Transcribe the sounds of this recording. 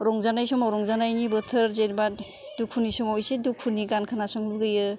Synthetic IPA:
ɾɔŋzanajsɔmawɾɔŋzanajnibɯtʰɯɾzenba | dukʰunisɔmɔjsidukʰːunːiɡankʰanasɔŋluɡɯjɯ

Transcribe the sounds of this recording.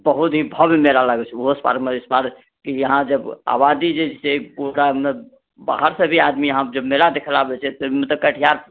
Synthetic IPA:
bəɦut̪ɦibʱəbmelalaɡɛt͡ʃʰɛoɦspa̰ɾmespaɾ | kijəɦãd͡ʒəba̰bad̪id͡ʒesekoɽame | ba̰ɦəɾsə̃bʱiad̪mijəɦãd͡ʒəbmelad̪ekʰəlabɛt͡ʃʰɛt̪əmet̪ɔkəʈʰijaɾ

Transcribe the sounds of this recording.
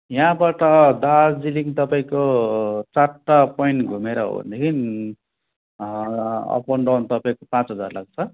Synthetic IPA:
jãbaʈʌd̪ad͡ziliŋt̪ʌpaĩkot͡saapojɳʈɡʱumeɾʌɦo̰b̰nd̪ekʰin | ʌ̰pʌɳɖawnt̪ʌpaĩkopãt͡sɦʌd͡za̰rla̰ɡ̚t͡sʰʌ

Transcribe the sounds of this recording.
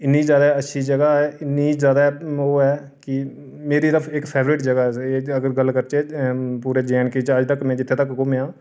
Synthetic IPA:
ɪnːiːzjaːd̪aːətːʃʰiːd͡ʒəɡaːɛːɪnːiːzjaːd̪aːoːɛː | kɪ | meːɾiːɾəpʰɪkpʰeːʋɾɪʈd͡ʒəɡaːɛeːəɡəɾɡəlkəɾt͡ʃeːpuːɾeːd͡ʒɛːnket͡ʃəd͡ʒt̪əkmɛ̃ːd͡ʒɪt̪ʰːeːt̪əkkomjãː

